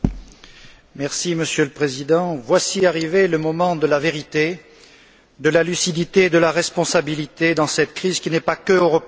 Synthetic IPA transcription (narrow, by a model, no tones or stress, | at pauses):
mɛʁsiməsjøləpχezid̪ɑ̃vwasiaʁiveləmɔmɑ̃d̪əlaveʁit̪e | d̪əlalysid̪it̪eːd̪əlaʁɛspɔ̃sabilit̪ed̪ɑ̃sɛt̪kχizkʲinɛpakəøʁɔp